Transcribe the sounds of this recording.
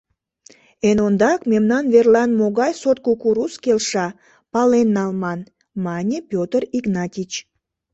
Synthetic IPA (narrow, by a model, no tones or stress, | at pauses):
enond̪ɑkmemnɑnverlɑnmoɣɑjsot̪̚kukuɾuskelʃɑ | pɑlenːɑlmɑn | mɑnʲepʲjot̪əriɡnɑtʲit͡ɕ